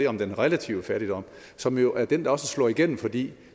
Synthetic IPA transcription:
e̝ːɒ̽md̥enʁelæt͡sʰiʊəfæɐɾ̥id̥ɒ̽m̰ | sɒ̽mjo̝ʔæɐd̥end̥ɑ̈ɒ̽səslɒ̰ːiɡ̥en̰m̩fɒ̽d̥ḭː

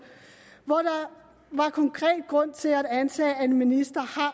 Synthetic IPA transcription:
ʋɒd̥ɑ | ʋɑ̈kʰɒ̽ŋkʰʁɛ̰ːd̥̚ɡ̥ʁɔ̽n̰t͡sʰe̝læd̥ænt͡sʰɛ̰ːæe̝nminisd̥ɐhɑ̈

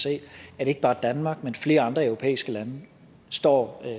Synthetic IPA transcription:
se̝̰ːæd̥e̝eɡ̥əbɑ̈ːd̥ænmɑ̈ɡ̥̚menfle̝ːɐ̈nd̥ʁɐœʊʁopʰḛːisɡ̥əlænə | sd̥ɒ̰ː

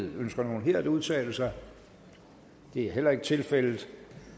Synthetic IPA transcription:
ðˠønsɡ̥ɐno̝ːn̩ɦeɐ̰d̥uð̞ˠt͡sʰɛ̰ːləsɑɪ | d̥e̝æɐɦel̰ɐe̝ɡ̥t͡sʰe̝lfel̰ð̩ˠ

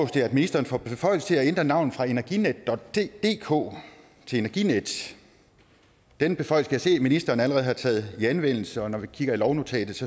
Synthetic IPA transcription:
ɔʊsd̥eɐæd̥minisd̥ʁɐːn̩fɒb̥e̝fɒ̽ɪ̰l̩st͡sʰe̝læend̥ʁɐnɑ̈ʊ̰n̩fʁɑ̈e̝næɐɡ̥ined̥ːɒ̽d̥ed̥e̝̰ːkʰo̝̰ː | t͡sʰe̝le̝næɐɡ̥ined̥ | d̥enb̥e̝fɒ̽ɪl̩səkʰæjse̝̰ːminisd̥ɐːn̩æləʁɛð̞̩ˠhɑ̈t͡sʰɛ̰ːð̞̩ˠiænʋen̰l̩səɒ̽nɒʋikʰiɡ̥ɐilɒʊno̝t͡sʰɛ̰ːd̥ð̩ˠsɒ̽

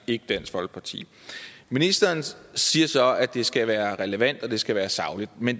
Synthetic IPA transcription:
e̝ɡ̥əd̥æn̰sfɒ̽lɡ̥əpʰɑ̈t͡sʰḭː | minisd̥ɐːnsiːɐsɒ̽æd̥e̝sɡ̥æʋæːɐʁɛləʋæn̰d̥ɒ̽d̥e̝sɡ̥æʋæːɐsɑ̈ʊlid̥̚men

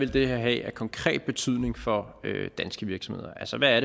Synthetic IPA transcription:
ʋe̝ld̥e̝hæɐɦɛ̰ækʰɒ̽ŋkʰʁɛ̰ːd̥̚b̥e̝t͡sʰyð̰ˠne̝ŋfɒ̽ø̰d̥ænsɡ̥əʋiɐɡ̥sɒ̽mhe̝ðˠɐʔælsəʋææɐɾe

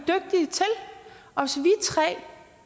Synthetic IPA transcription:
d̥øɡ̥̚d̥iət͡sʰelʔɒ̽sʋit͡sʰʁɛ̰ː

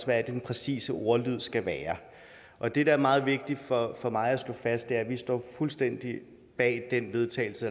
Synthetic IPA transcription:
sʋæd̥enpʰʁɛsḭːsəʔo̝ɐlyð̞̰ˠsɡ̥æʋæːɐ | ʔɒ̽d̥e̝d̥ɑæɐmɑ̈ːð̞̩ˠʋe̝ɡ̥̚d̥i̥fɒ̽fɒ̽mɑ̈ɪæslɔ̰̽ːfæsd̥eæɐʋisd̥ɒ̰fulsd̥en̰d̥i | b̥ɛ̰ːd̥enʋe̝ð̞ˠt͡sʰɛ̰ːɪl̩sə

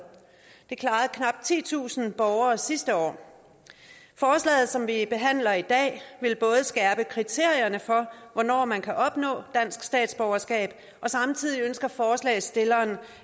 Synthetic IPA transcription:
d̥e̝kʰlɑ̈ːð̩ˠkʰnɑ̈b̥̚t͡sʰḭːt͡sʰṵːsn̩b̥ɒʊɐːsisd̥əɒ̰ː | fɒːslɛ̰ːð̞̩ˠsɒ̽mʋib̥e̝ɦæn̰lɐid̥ɛ̰ːʋe̝lb̥ɔ̽ːð̞̩ˠəsɡ̥ɛɐb̥əkʰʁit͡sʰe̝ɐ̰jɐnəfɒ̽ʋɒnɒ̰ːmænkʰæʔɒ̽b̥nɔ̰̽ːd̥æn̰sɡ̥sd̥ɛ̰ːd̥sb̥ɒʊɐsɡ̥ɛ̰ːb̥ | ʔɒ̽sɑ̈mt͡sʰið̞̰ˠiønsɡ̥ɐfɒːslɛ̰ːɪsd̥e̝lɐːn

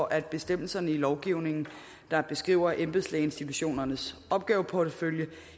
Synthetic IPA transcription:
ɒʔæd̥̚b̥e̝sd̥em̰l̩sɐnəilɒʊɡ̥iʊne̝ŋn̩ | d̥ɑ̈b̥e̝sɡ̥ʁḭʊ̰ɐʔemb̥ðˠsleɪe̝nsd̥it͡sʰuɕo̝̰ːnɐnəsɒ̽b̥̚ɡ̥ɛːʊəpʰɒdəføljə

